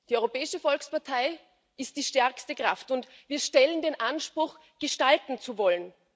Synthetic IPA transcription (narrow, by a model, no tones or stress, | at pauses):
d̥iːɔʏʁopɛːɪʃəfɔlkspaɐtʰaɪ | ʔɪst̚d̥iːʃtɛɐkstəkʁ̥aftʊntviːɐʃtɛləndeːnʔanʃpʁ̥ʊx | ɡ̥əʃtaltn̩t͡suvɔlən